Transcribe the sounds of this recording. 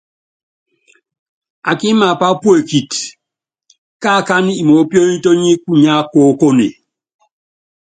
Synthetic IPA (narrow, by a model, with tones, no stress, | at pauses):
a˨ki˦ma˨pa˦pu˦e˨ki˨t | ka˦˨ka˦ni˦i˨mo˨˦pjo˦i˦to˦ɲi˦ku˦ɲa˦ko˦ko˦nḛ˨